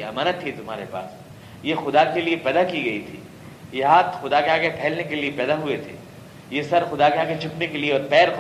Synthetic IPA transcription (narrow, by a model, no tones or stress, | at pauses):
ɐ̰maːnət̪ʰːit̪ʊmɦa̰ːɾepa̰ːs | jexʊd̪akeliepɛːd̪akiɡɐit̪ʰḭː | jeɦaːt̪xʊd̪akeɦãkepʰɛːlnekeliepɛːd̪aɦʊet̪ʰḛː | jesɐɾxʊd̪akɦãket͡ʃʰʊpnekelieɔːɾpɛːɾ